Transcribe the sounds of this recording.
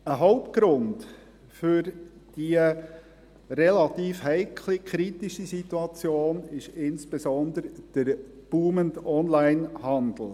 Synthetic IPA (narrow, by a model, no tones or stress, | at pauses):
əɦɔʊpt̚ɡ̥ɾʊnd | fʏɾd̥iə | ɾɛlɑt̪iːfhɛɪkʰlikʰɾitiʃisit̪uɑt͡sjoːnɪʃɪnsb̥esɔnd̪əɾd̥əɾ | b̥uːməndɔnlæɪnhɑnd̪l̩ˠ